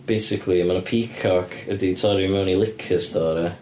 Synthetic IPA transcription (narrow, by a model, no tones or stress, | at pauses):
b̥ejsɪkʰlˠiəmanəpʰikʰɔkʰəditʰɔɾimɛwnilˠɪkʰəstʰɔːɾə